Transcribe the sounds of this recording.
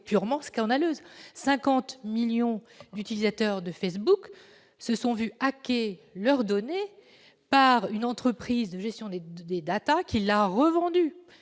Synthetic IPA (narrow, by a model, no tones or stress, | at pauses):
pyʁmɑ̃skɑ̃d̪aløːzsɛ̃kɑ̃t̪miljɔ̃d̪yt̪ilizat̪œʁd̪əfɛs̬buk | səsɔ̃vyakʲelœʁd̪ɔne | paʁynɑ̃t̪χəpχizd̪əʒɛst̪jɔ̃d̪ed̪ed̪at̪akʲilːaʁəvɑ̃d̪y